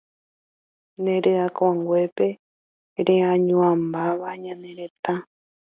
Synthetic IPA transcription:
nẽɾɨakaŋɡʷe̞pe̞ | ɾeãɲũãmbaʋaɲãnẽ̞ɾe̞t̪ã

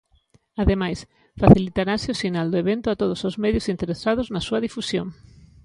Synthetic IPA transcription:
aðemajs | faθilit̪aɾasɪʊsinald̪ʊeβent̪ʊat̪oð̞ʊsozmɛðjʊsint̪eɾesað̞ʊznɐsuɐðifusjoŋ

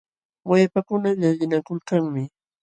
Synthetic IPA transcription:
wajpakʊnaʎaʎɪnakʊlkaŋmɪ

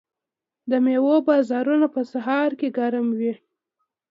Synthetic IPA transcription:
d̪əmewobɑzɑɾunapəsaɦɑɾkeɡaɾamwi

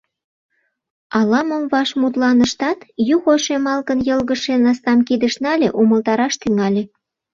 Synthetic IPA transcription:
ɑlɑmomβɑʃmut̪lɑnə̆ʃt̪ɑt̪juxoʃemɑlkənjəlɣəʃenɑst̪ɑmkid̪əʃnɑlʲeʔuməlt̪ɑɾɑʃt̪yŋɑlʲe

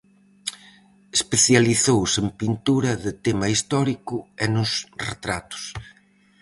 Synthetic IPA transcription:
espeθjaliθowsempint̪uɾɐðɪt̪emɐist̪ɔɾikʊɛnʊsrḛt̪ɾat̪ʊ̥s

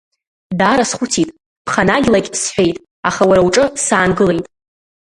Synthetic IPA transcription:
daːɾasχʷutʰitʼ | pʰχanaɡʲlakʲʼsħʷᶣe̞jtʼ | aχawaɾawʈ͡ʂʼɨsaːnɡɨle̞jtʼ

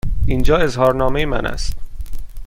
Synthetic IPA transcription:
ʔiːnd͡ʒɒːe̞zhɒːɾnɒːmejemæ̰nʔæ̰st̪

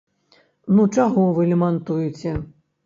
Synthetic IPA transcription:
nut͡ʂaɣɔvɨlʲɛmant̪ujut͡sʲɛ

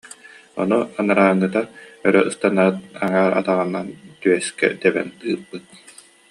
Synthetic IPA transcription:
ɔ̰nuanaɾaːŋːɯt̪aœɾœʔɯst̪anaːt̪aŋaːɾa̰t̪aʁɯnːant̪yɛskɛ̰d̪ɛbɛ̰nt̪ɯːbɯt̪̚

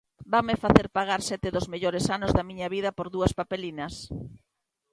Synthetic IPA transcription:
bamɪfaθeɾpaɣ̞aɾsɛt̪ɪðozmeʎoɾɪsanʊzðɐmĩɲɐβiðɐpoɾðuɐspapelinɐs

